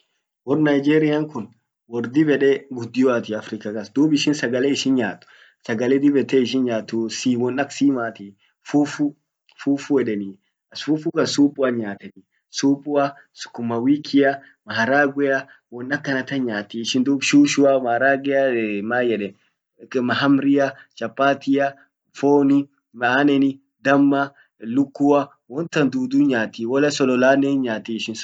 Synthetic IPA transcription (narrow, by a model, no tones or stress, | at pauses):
wɔɾnɐjd͡ʒeːɾɪjaŋkʊn | wɔɾd̪ɪbɛᶑɛɡʊd̪ːɪjɔat̪ɪɐfɾɪkɐkɐsd̪uːbɪʃɪnsɐɡɐlɛɪʃɪnɲaːt̪ːʊ̥ | sɐɡɐlɛd̪ɪbɛt̪ːeɪʃ̬ɪnɲaːt̪ːʊsiːwɔnɐksiːmaːt̪i | fufʊ | fuːfʊɛᶑɛni | ɐsfuːfukɐsuːpʼːʊɐɲaːt̪ɛni | suːpʼʊɐ | sʊ̥kːʊmːɐwiːkʰɪjɐ | mɐhɐɾaːɡʷɛjɐ | wɔnːɐkːɐnɐt̪ɐnɲaːt̪iːʃɪnd̪uːbʃuːʃʊamɐhɾaːɡɛjamaːjɛᶑɛn | mɐɦɐmɾɪjɐt͡ʃɐpːaːt̪ɪjɐ | foːnɪ | mɐaːnɛnɪ | d̪ɐmːɐ | lʊkːʊɐ | wɔnt̪ɐnd̪uːd̪uːɲaːt̪iːwɔlɐsɔlɔlaːneɲaːt̪iːɪʃɪn